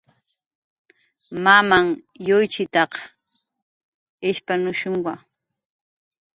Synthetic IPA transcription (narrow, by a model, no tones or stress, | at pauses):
mamaŋjojt͡ʃɪt̪ɑq | ɪʃpanʊʃʊŋwa